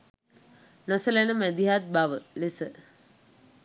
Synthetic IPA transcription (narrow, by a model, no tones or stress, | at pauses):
nosəlenəmæd̪iɦat̪̚baʋəlesə